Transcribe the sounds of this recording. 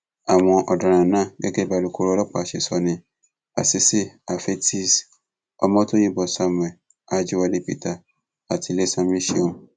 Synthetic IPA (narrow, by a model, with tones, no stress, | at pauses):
a˨w̃ɔ̃˧ʔɔ˨dã˨ɾ̃ã˨nãː˦˨ɡe˦ɡe˦ba˨lu˨ko˦ɾo˦˧lɔ˦k͡pa˨ʃe˨sɔ˨nĩ˧ | a̰˨si˦si˦a˨fe˦ti˦˨s | ɔ̰˧mɔ̃˦to˦jĩ˦bɔ˨sa˧m˨ɛ̃˨ | a˦d͡ʒi˦wa˧le˦pḭ˦˨ta˨ | a˨tʰi˨˧˨le˦sã˧m˦ĩ˦ʃi˦õ˦